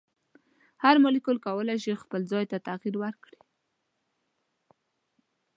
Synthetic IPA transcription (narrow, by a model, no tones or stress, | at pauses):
haɾmʊlikʊlkawəlajʃixpəld͡zɑjt̪at̪aɣiɾwəɾkɽi̥